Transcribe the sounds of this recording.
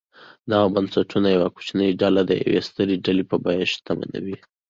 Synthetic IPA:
d̪ɑabansaʈʰunajawaku̥t͡ʃnəjɖalad̪əja̰wḛst̪əɾiɖalipəbɑjaʃt̪ama̰na̰wi

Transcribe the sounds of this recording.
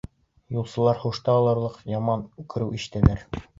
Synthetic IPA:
julˠsɤ̆lˠɑɾχuʃt̪ɑːlˠɤ̆ɾlˠɤqjɑmɑnkɵ̆ɾɘwʔiʃt̪æ̆læɾ

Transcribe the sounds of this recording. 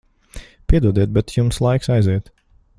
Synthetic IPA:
pʲiɛd̪uɔd̪ɛt̪̚bɛt̪jumslˠajksajziɛt̪

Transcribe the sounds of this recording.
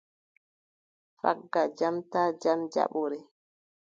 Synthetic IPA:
fa̰ɡːad͡ʒamtaːd͡ʒamd͡ʒa̰ɓuɾɛ

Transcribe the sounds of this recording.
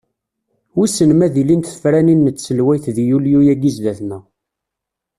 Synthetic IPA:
wisənmæðilint̪θə̥fɾæninːət͡sːsəlwæjθðjuljujæɡizðæθnæ

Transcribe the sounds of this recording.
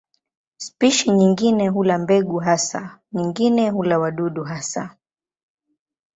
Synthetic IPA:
spiʃiɲiŋɡinɛɦulambɛɡuɦasa̰ɲiŋɡinɛɦulawaɗuɗuɦasa

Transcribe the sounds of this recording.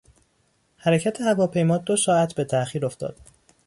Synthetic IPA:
hæɾecʰæt̪ʰe̞hævɒːpʰe̞jmɒːd̪osɒːæt̪ʰbe̞t̪ʰæʔxiːɾo̞ft̪ɒ̰ːd̪̥

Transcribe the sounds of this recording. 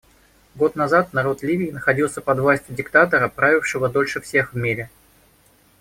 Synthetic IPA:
ɡo̞t̪nɐzat̪nɐɾo̞t̪lʲivʲɪːnəxɐdʲilˠsʲəpɐd̪vlˠasʲtʲʊdʲɪkt̪at̪əɾəpɾavʲɪfʂɨvəd̪o̞lʲʂɨfsʲe̞xvmʲiɾʲɪ

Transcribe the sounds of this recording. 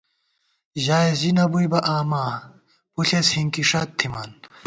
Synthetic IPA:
ʑaːjzinɐbujbɐʔaːmaː | puɬeshiŋkiʂaːt̪ʰːimaːn

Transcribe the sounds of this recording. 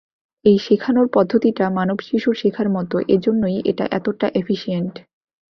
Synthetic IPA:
ejʃekʰanoɾpɔd̪ʱːot̪iʈamanobʃiʃuɾʃekʰaɾmɔt̪oʔed͡ʑonːojḛʈa̰ʔɛ̰t̪oʈaʔefʰiʃieɳʈ

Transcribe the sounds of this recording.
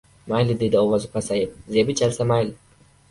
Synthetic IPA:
majlɪd̪ed̪ɪowazɪpasajɪp̚zebɪt͡ʃʰalsamajl

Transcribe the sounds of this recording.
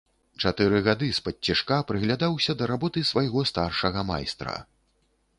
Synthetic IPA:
t͡ʂat̪ɨɾɨɣad̪ɨspɐtʲːiʂkapɾɨɣlʲad̪awsʲɐd̪ɐɾabɔt̪ɨsvajɣɔst̪arʂɐɣɐma̰jst̪ɾɐ̰

